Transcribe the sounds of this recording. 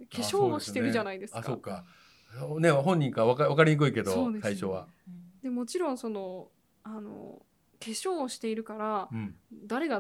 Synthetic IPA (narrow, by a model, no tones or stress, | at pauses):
kʰe̞ɕo̞ːɕi̥t̪eɾɯ̟ʑanaid̪e̞sɨ̥asko̞kːa | ne̞ɦõ̞ɲ̟ːĩŋkaβakaβakaɾʲiɲ̟ik̬ɯ̟ike̞d̪ooːd̪esaiɕo̞βa̰d̪̥e̞mo̞t͡ɕiɾõ̞ɰ̃so̞no̞ | ano̞̰ | ke̞ɕo̞ːɕi̥t̪e̞iɾɯ̟kaɾaɯ̃ɴd̪aɾe̞ɡa